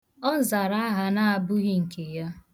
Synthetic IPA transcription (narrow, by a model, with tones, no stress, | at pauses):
ɔ˦n̩˦˨za˨ɾa˦a˦ɦa˦na˦a˨bʊ˦ɣi˦ŋ̩˨ke˨ja˦